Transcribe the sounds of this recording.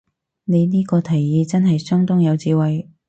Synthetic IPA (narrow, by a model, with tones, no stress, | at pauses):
ne˨˧jniː˥kɔː˧t̪ʰɐ˨˩jːiː˨˧t͡sɐ˥nɦɐ˨jsœː˥ŋt̪ʊ˥ŋjɐ˨˧wt͡siː˧wɐ˨j